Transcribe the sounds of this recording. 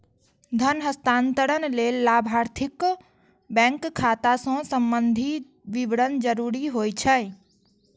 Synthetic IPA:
d̪ʱənɦəst̪aːnt̪əɽənleːlːaːbʱaːɾt̪ʰɪk | bɛ̃ːŋkkʰːaːt̪asõsəmbənd̪ʱi | ʋiʋɽənd͡ʒəɾuːɾiɦoːjt͡ʃʰə

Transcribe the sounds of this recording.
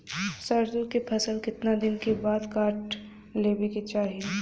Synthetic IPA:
sɐɾd͡ʒʊkepʰɐsəlkɪt̪nad̪ɪnkebaːd̪kaːɾʈ | leːbeket͡ʃaːɦie

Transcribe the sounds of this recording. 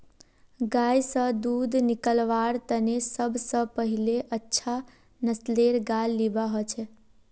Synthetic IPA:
ɡajsəd̪ud̪nikəlʋaɾt̪ənesəbʱsəpəɦileʔətːʃʰa | nəsleɾɡalːibaɦot͡ʃʰe

